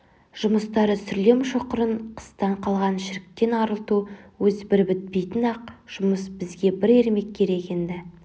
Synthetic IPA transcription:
ʒ̥ʊməst̪ɑɾəsʏɾle̞mʃoqəɾəɴqʰə̥st̪ɑɴqʰɑlˠʁɑnʃɪɾɪk̚t̪e̞nɑɾəlˠt̪uwɵzbɪɾbɪt̪̚pejt̪ɪnɑq̚ʒ̥ʊməsbɪzɡʲe̞bɪɾe̞ɾme̞kʲʰːe̞ɾe̞ke̞nd̪ɪ

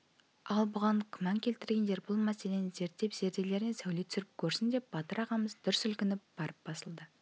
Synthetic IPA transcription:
ɑlˠbʊʁɑɴkʲʰʏmɑŋkʲʰe̞lt̪ɪɾɡʲe̞nd̪e̞ɾbʊlˠmæse̞le̞nɪze̞ɾt̪ːe̞pz̥e̞ɾd̪e̞le̞ɾɪnesæwlet̪ʰʏ̥sɪɾɪp̚kʲʰɵɾsɪnd̪e̞p̚b̥ɑt̪əɾɑʁɑməzd̪ʏɾʏsʏlkʲɪnɪp̚b̥ɑɾʔəp̚b̥ɑsəlˠd̪ə

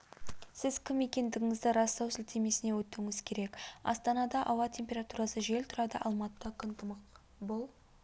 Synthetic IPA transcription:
sɪzkʲʰɪme̞kʲe̞nd̪ɪɡʲɪŋɪzd̪ɪɾɑst̪ɑwsɪlt̪ʰe̞me̞sɪne̞wɵt̪ːɪŋɪz̥kʲʰe̞ɾe̞kɑ̰st̪ɑnɑd̪ɑʔɑwɑt̪ʲʰe̞mpʲe̞ɾɑt̪uɾɑsəʒe̞lt̪ʰʊɾɑd̪ə̰ʔɑlˠmɑt̪əd̪ɑkʲʰʏnt̪ʰəmɑq | bʊlˠ

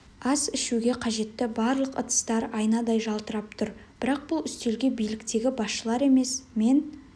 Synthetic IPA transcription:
ɑsɪʃuɡʲe̞qʰɑʒe̞t̪ːɪbɑɾlˠəqə̰t̪ə̥st̪ɑɾɑjnɑd̪ɑjʒɑlˠt̪əɾɑp̚t̪ʰʊɾb̥ɪɾɑq̚b̥ʊlˠʏst̪e̞lɡʲe̞bijlɪkt̪e̞ɡʲɪbɑsʃəlˠɑɾe̞me̞sme̞n

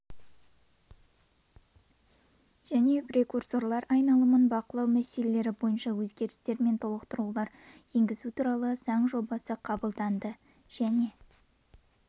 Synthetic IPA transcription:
ʒ̥æne̞prʲe̞kurso̞rlˠɑɾɑjnɑlˠəmənbɑqəlˠɑwmæse̞le̞le̞ɾɪbo̞jənʃɑwɵzɡʲe̞ɾɪst̪e̞ɾme̞nt̪ʰolˠəqt̪əɾulˠɑɾ | je̞ŋɡʲɪzut̪ʰuɾɑlˠəzɑɴʒo̞bɑsəqʰɑbəlˠd̪ɑnd̪ə | ʒ̥æne̞

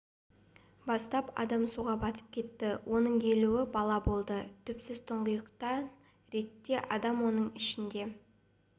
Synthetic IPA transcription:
bɑst̪ɑpɑ̰d̪ɑmsuʁɑbɑt̪ə̥p̚kʲʰe̞t̪ːɪwʔo̞nəɴkʲʰe̞luwɪbɑlˠɑbo̞lˠd̪ət̪ʰʏpsɪzt̪ʰəɴʁəjəqt̪ɑ | ɾe̞t̪ːe̞ʔɑd̪ɑmwo̞nəɴɪʃɪnd̪e̞

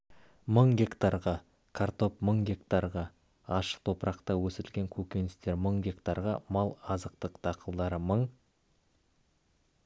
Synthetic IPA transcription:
məɴɡʲe̞kt̪arʁɑ | kʰart̪o̞pməɴɡʲe̞kt̪arʁɑː | ʃə̥q̚t̪ʰo̞pɾɑqt̪ɑwɵsɪɾɪlɡʲe̞ŋkʲʰɵkʲe̞nɪst̪e̞ɾməɴɡʲe̞kt̪aɾʁɑmɑlˠɑzəqt̪əqt̪ʰɑqʰəlˠd̪ɑɾəməɴ

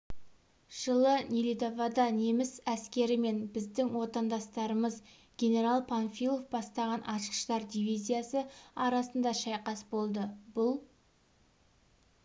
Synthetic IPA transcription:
ʒ̥əlˠənʲilʲid̪ovɑd̪ɑne̞mɪsæskʲe̞ɾɪme̞nbɪzd̪ɪŋwo̞t̪ɑnd̪ɑst̪ɑɾəməz | ɡʲe̞ne̞ɾɑlˠpʰanfʲilˠo̞fbɑst̪ɑʁɑnʔɑʃqə̥ʃt̪ɑɾd̪ivijzʲijasəɑɾɑsənd̪ɑʃɑjqɑsbo̞lˠd̪əbʊlˠ

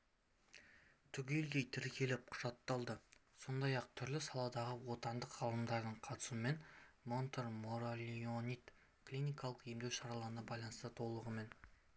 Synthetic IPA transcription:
t̪ʰʏɡʲelɡ̪ʲejt̪ʰɪɾkʲʰe̞lɪp̚qʰʊ̥ʒɑt̪ːɑlˠd̪əso̞nd̪ɑjɑq̚t̪ʰʏɾlɪsɑlˠɑd̪ɑʁəwo̞t̪ɑnd̪əqʁɑlˠəmd̪ɑɾd̪əɴqʰɑt̪ə̥sume̞nmo̞nt̪eɾmoɾalʲionʲit̪ | kʰlijnijkɑlˠəqje̞md̪e̞wʃɑɾɑlˠɑɾənɑbɑjlˠɑnəst̪ət̪ʰo̞lˠəʁəme̞n

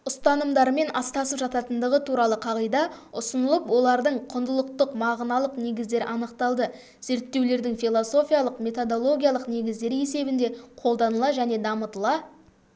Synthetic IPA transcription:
ʊst̪ɑnəmd̪ɑɾme̞nʔɑst̪ɑsəpʒɑt̪ɑt̪ənd̪əʁət̪ʰuɾɑlˠəqʰɑʁəjd̪ɑʊsənəlˠəpwo̞lˠɑɾd̪əɴqʰʊnd̪əlˠəq̚t̪əqmɑʁnɑlˠəqne̞ɡʲɪzd̪e̞ɾɪʔɑnəqt̪ɑlˠd̪ə | ze̞ɾt̪ːe̞wle̞ɾd̪ɪŋfijlˠo̞so̞fʲijɑlˠəqme̞t̪od̪o̞lˠo̞ɡʲijɑlˠəqne̞ɡʲɪzd̪e̞ɾe̞se̞bɪnd̪e̞qʰo̞lˠd̪ɑnəlˠɑʒæne̞d̪ɑmət̪əlˠɑ

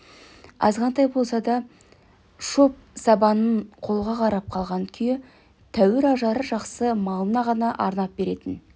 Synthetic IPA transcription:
ɑ̰zʁɑnt̪ɑjbo̞lˠsɑd̪ɑ | ʃo̞p̚sɑbɑnəɴqʰo̞lˠʁɑqʰɑɾɑp̚qʰɑlˠʁɑŋkʲʰʏje | t̪ʰæwɪɾɑʒɑɾəʒɑqsəmɑlˠənɑʁɑnɑʔɑɾnɑp̚be̞ɾe̞t̪ɪn

